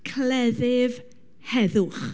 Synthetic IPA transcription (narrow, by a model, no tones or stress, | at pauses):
kʰlɛðɪv | hɛðʊχ